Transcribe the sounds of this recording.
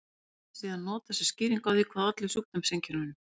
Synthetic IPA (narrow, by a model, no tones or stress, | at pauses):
siːðanːɔːt̪asɛ̥sciːɾiŋkawðiːkʰvaðat̪lɪsup̚t̪amseɲcʰɪɾnʏ